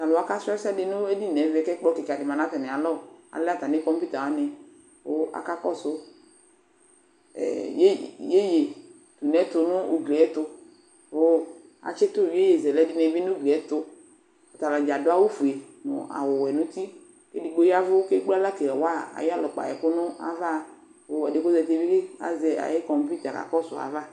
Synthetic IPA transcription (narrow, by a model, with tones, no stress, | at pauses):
t̪a˨lʊ˨a˦ka˦sɛ˦sa˦dɪ˨nʊ̃˦e˦di˦nɛ˨˦vɛ˨kɛ˦k͡pɔ˦ki˨ka˨dɪ˨mã˨nã˨˦t̪ɛ˨nɛ˨a˨lɔ˦˨a̰˨lɛ˦a˦˨t̪a˨ne˦kɔ˦mpi˦t̪a˨wa˨˦nɛ˨ | wo˦a̰˨ka˦kɔ˦sʊ˦ | ɛ̰˨je˦je˦je˨ | t̪u˨nɛ˦t̪ʊ˨nʊ̃˦ṵ˨ɡle˨ɛ˦t̪ʊ˧ | wo˦ | a̰˨t͡ʃɪ˦t̪ʊ˦˨wi˨˦e˦je˨zɛ˨lɛ˦di˦nɛ̃˨˦bi˦nʊ̃˦ɡle˨ɛ˨˦t̪ʊ˦ | a˨t̪a˨la˨d͡ʒa˨dʊ˦a˦wo˦fu˨e˨nʊ̰̃˨ʔa̰˨wʊ˨wɛ˨nʊ̃˦t̪i˦ | ke˦di˨ɡ͡bo˦ja˦vʊ˦ke˦ɡ͡ba˦la˦ke˨wa˦a̰˨ja˦lɔ˨k͡pa̰˨jɛ̰˨kʊ˦nʊ̃˦a̰˨va˦˨ | wo˦ɛ˨dɪ˨ko˦zɛ˨t̪e˨bi˦ke˦a̰˨zɛ˨a̰˨je˦kɔ̃˨m˦pi˦t̪a˨ka̰˨kɔ˦sʊ˨a̰˨va˦